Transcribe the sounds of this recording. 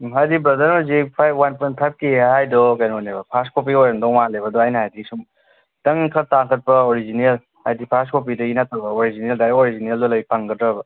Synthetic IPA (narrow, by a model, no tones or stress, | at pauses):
ɦajdibɾɐdɐɾnɔzipʰajwanpɔn̚pʰajp̚keɦajdɔkajnonebɐpʰaskop̬iojɾandɔŋmalebɐdɔajnɐɦajdisum | tɐŋkʰɐɾtaŋkʰɐt̚pɐoɾizinel | hajdipʰaskop̬idɐinatɐbɐoɾizineldaɾoɾizineldɐlɐjpʰaŋɡɐdɾɐbɐ